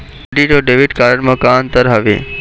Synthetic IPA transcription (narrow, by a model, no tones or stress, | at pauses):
ɖiʈoɖeːʋɪʈkaːɾəɳmãkaːnt̪əɾɦaʋḛ